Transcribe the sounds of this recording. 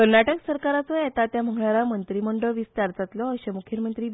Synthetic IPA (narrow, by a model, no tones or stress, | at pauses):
kəɾnaʈəksəɾkaɾat͡sɔjet̪at̪jam̤əɡɳaɾamənt̪ɾiməɳɖəʋist̪aɾd͡zat̪lɔəɕemukʰjəmənt̪ɾiː